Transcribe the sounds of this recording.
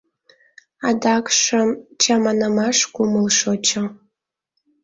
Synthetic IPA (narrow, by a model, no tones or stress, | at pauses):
ɑd̪ɑkʃəmt͡ɕɑmɑnəmɑʃkuməlʃot͡ɕɤ̆